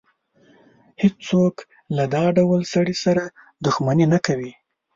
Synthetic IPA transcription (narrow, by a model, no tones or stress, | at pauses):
hed͡ʒt͡sok | lad̪ɑɖawalsaɽisaɾa | d̪ʊxmaninakawi